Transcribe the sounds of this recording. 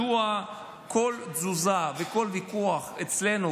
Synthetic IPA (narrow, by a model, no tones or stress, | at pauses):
ua | kʰo̞lzuzaveko̞lvikuaχet͡sle̞nu